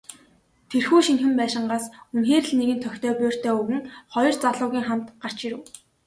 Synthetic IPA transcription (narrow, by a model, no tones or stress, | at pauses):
t̪ʰerxuːʃinxɘ̆mpæːʃɪ̆ɴɢaːsunxeːrɘ̆ɮneɣɘ̆nt̪ʰœxʲt̪ʰœːpʊːr̥t̪ʰeːɵɣɘ̆ŋχɔjɞ̆rt͡saɮʊːɣʲiːŋχam̥t̪ɢar̥t͡ɕiɾɘ̆w